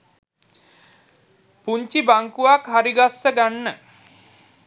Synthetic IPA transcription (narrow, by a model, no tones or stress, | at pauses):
puɲt͡ʃibaŋkuʋakɦaɾiɡasːəɡanːə